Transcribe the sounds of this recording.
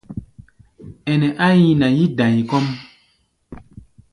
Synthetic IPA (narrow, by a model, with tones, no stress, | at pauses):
ɛ˨nɛ˨ʔa˦ji˦na˨ji˦dã˨ji˨kɔ˦m